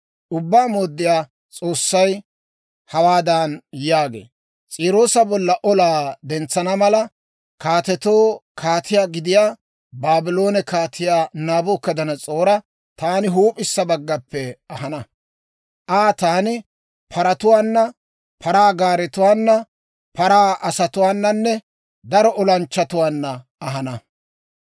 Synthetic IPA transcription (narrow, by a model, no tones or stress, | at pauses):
ʔʊbːaːmoːd̪ːɪjaː | t͡sʼo̞ːsːɐj | hɐwaːd̪aːnjaːɡḛː | t͡sʼiːɾo̞ːsɐbɔlːɐʔɔlaːd̪ɛnt͡sːɐnɐmɐlɐ | kaːt̪ɛt̪o̞ːkʰaːt̪ʰɪjaːɡɪd̪ɪjaː | baːbɪlo̞ːnɛkaːt̪ʰɪjaːnaːbʊːkːɐd̪ɐnɐt͡sʼo̞ːɾɐ | t̪aːnɪɦuːpʼɪsːɐbɐɡːɐpːɛɐɦɐnɐ | ʔaːt̪aːnɪ | pʰɐɾɐt̪ʊwaːnːɐ | pʰɐɾaːɡaːɾɛt̪ʊwaːnːɐ | pɐɾaːʔɐsɐt̪ʊwaːnːɐnːɛ | d̪ɐɾɔʔɔlɐnt͡ʃːɐt̪ʊwaːnːɐ | ɐɦɐnɐ